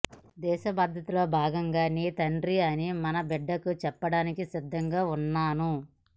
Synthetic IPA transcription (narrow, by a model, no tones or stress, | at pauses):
d̪ɛːʃɐbaːd̪ʱɐt̪ulo̞ːbʱaːɡɐŋɡaːniːt̪ɐɳɖɾiɐnimɐnɐbɛɖːɐkut͡ʃɛpːɐɽaːnikisid̪ʱːɐŋɡaːunːaːnu